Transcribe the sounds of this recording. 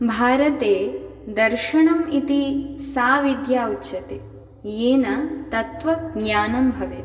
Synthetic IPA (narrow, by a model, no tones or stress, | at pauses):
bʱaːɾɐt̪eːd̪ɐɾʃɐɳɐmit̪isaːʋid̪jaːutːʃɐt̪eː | jeːnɐt̪ɐt̪ʋɐɡɲaːnɐmbʱɐʋe